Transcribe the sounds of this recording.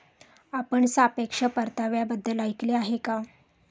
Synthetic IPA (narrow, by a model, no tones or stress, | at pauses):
apəɳsapekʂəpəɾt̪aʋjabəd̪ʱːəlajkleaɦeka